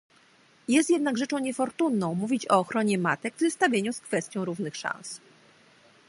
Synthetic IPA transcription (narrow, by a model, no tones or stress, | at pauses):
jɛst̪jɛd̪naɡʐɛt͡ʂɔ̃w̃ɲɛfɔɾt̪unːɔ̃w̃muvʲit͡ɕɔːxɾɔɲɛmat̪ɛɡvzɛst̪avʲjeɲuskfɛst̪ʲjɔ̃w̃ɾuvnɘxʂã̰ns